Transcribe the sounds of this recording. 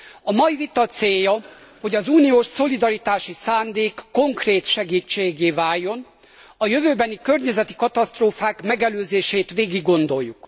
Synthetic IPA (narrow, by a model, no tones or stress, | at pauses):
ɒmɒjivit̪ɒt̪seːjːɒ | ho̞ɟɒzuːnioːʃso̞lid̪ɒɾit̪aːʃisaːnd̪eːkːo̞ŋkreːt̪ʃɛɡiːt͡ʃːeːɡeːvaːjːo̞n | ɒjøvøːbɛnikø̞rɲɛzɛt̪i̥kɒt̪ɒst̪roːfaːkmɛɡɛløːzeːʃeːt̪ʋeːɡiɡːo̞nd̪o̞jːuk